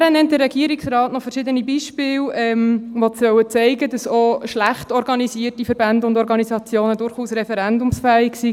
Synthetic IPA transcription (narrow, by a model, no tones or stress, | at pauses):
ɾənɛnt̚dəɾɛɡiəɾiksrɑːtnɔfəɾʃɪdənibiʃpɪːlɛmʋot͡sœwət͡sɛɪɡədɑsoʃlæχtɔɾɡɑnisiətifəɾb̥ændəʊndɔɾɡɑnisɑt͡sjoːnədʊɾχuːsɾɛfɛɾændʊmsfæːɪksi